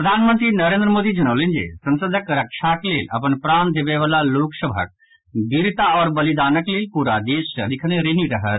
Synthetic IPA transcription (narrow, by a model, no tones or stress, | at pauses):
pɾəd̪ʱaːnmə̃nt̪ɾinɐɾẽnd̪ɾəmoːd̪id͡ʒɐnəʋlẽnd͡ʒḛːsɐ̃nsəd̪ʱəkɾɐkʃaːkleːlɐ̰pənpɾãːnd̪eːʋeʋaːlaloːksəbʱə̰k̚ | biɾt̪aɔːɾbɐlid̪aːnəkleːlpuːɾad̪eːsəlɪkʰneɾeɦiɾɐɦət̪